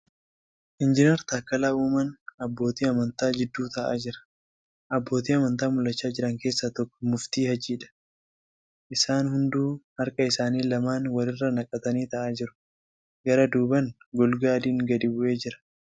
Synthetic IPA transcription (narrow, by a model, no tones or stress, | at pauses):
ʔɪnd͡ʒɪnɛɾt̪aːkːɐlaːʔuːmɐnɐbːo̞ːt̪iːɐmɐnt̪aːd͡ʒɪd̪ːuːt̪ɐʔa̰ːd͡ʒɪɾɐ̥ | ʔɐbːo̞ːt̪iːɐmɐnt̪aːmʊlːɐt͡ʃːaːd͡ʒɪɾɐŋke̞ːsːat̪ɔkːɔ̥mʊft̪iːhɐd͡ʒiːᶑɐ̥ | ʔɪsaːnhʊnd̪uːhɐɾkʼɐɪsaːniːlɐmaːnwɐlɪrːɐnɐkʼːɐt̪ɐniːt̪ɐʔaːd͡ʒɪɾʊ̥ | ɡɐɾɐd̪uːbɐŋɡɔlɡaːd̪iːŋɡɐd̪ɪbʊʔe̞ːd͡ʒɪɾɐ̥